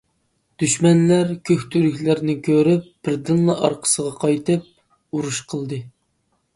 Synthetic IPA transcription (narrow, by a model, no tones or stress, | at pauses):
d̪̥yʃmɛnlæɾkʲʰøxʲt̪ʰyɾykʲlæɾnɪkʲʰøɾyp̚b̥ɪɾd̪ɨnlˠɑʔɑ̰ɾqʰə̥səʁɑqʰɑjt̪ɨp̚ | uɾuʃqʰəlˠd̪ɨ